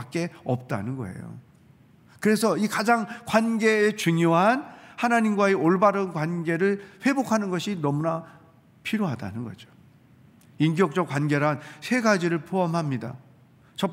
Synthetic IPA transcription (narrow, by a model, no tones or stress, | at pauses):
k͈̚e̞ʌp̚t͈a̰nɯnɡʌ̰e̞̰jo̰ | kɯɾe̞sʰʌikad͡ʑaŋkwanɡe̞ːt͡ɕuŋjoɦanhanaɲimɡwaeoɭbaɾɯnkwanɡeɾɯɭɸwe̞bokʰanɯnɡʌɕʰinʌmuna | pʰiɾjoɦada̰nɯnɡʌ̰d͡ʑo̥ | ink̬jʌk̚t͡ɕ͈ʌkwanɡe̞ɾansʰe̞ɡad͡ʑiɾɯɭpʰoamɦamɲida̰ | t͡ɕʌ